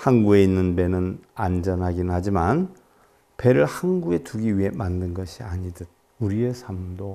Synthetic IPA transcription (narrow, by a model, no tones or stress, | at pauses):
hanɡuɡe̞inːɯnbe̞nɯnand͡ʑʌnɦaɡinɯhad͡ʑiman | pe̞ɾɯɭhanɡuɡe̞tuɡiɥiɦe̞mandɯnɡʌɕʰiaɲidɯd̚ | uɾiesʰamdo